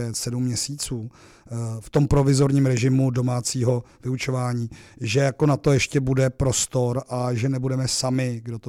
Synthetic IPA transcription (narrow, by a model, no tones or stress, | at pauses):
ɛt̪sɛdumːɲɛsiːt͡suː | ft̪o̞mpɾo̞vɪzo̞ɾɲiːmɾɛʒɪmudo̞maːt͡siːɦo̞ | vɪut͡ʃo̞vaːɲiːʒɛjako̞nat̪o̞jɛʃcɛbudɛpɾo̞st̪o̞ɾʔaʒɛnɛbudɛmɛsamɪɡdot̪o